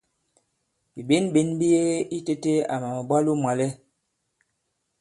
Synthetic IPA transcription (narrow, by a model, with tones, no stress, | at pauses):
bi˨be˨˦nbe˨˦nbi˦je˦i˦te˦te˦a˨ma˨mə˨ba˦lu˦mwa˨lɛ˦